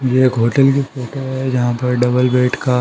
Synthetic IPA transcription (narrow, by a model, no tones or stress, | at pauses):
jeːkɦoːʈəlk̬ifoːʈoɦɛd͡ʒɐɦãpɐɾɖɐbəlbeːʈka